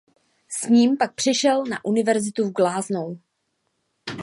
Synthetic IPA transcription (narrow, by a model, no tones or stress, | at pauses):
sɲiːmpak̚pr̥ɪʃɛlna̰ʔunɪvɛɾzɪt̪uvɡlaːznow